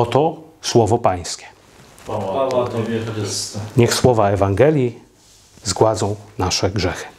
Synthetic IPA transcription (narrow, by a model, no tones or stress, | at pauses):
ɔt̪ɔswɔvɔpaj̃skʲɛ̥ | ɲɛxswɔvaɛvaŋɡɛlʲji | zɡwad̪zɔ̃w̃naʂɛɡʐɛxɘ̥